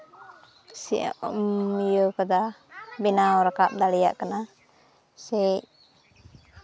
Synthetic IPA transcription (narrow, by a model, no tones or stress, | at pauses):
siʔa̰ʔijokad̪abinaɔɾakap̚d̪alɛja̰ʔkana | sɛc